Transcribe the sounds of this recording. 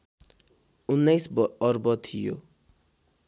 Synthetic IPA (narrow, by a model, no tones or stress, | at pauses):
unːʌjsbʌrbʌt̪ʰijo̰